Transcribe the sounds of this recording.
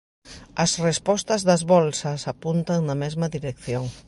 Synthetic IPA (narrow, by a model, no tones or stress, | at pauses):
ɐsrespɔst̪ɐzðɐzβɔlsɐsapunt̪ɐŋnɐmezmɐðiɾekθjoŋ